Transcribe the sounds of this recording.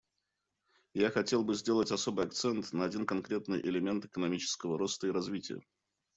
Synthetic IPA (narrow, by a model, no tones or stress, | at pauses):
jaxɐtʲe̞lˠbɨzʲdʲe̞lˠətʲɐso̞bɨjɐk̚t̪sɛnt̪nəɐdʲinkɐnkɾʲe̞t̪nɨjʔɪ̰lʲɪmʲe̞nt̪ɨ̥kənɐmʲit͡ɕɪ̥skəvəɾost̪əiɾɐzvʲitʲɪ̰jə̰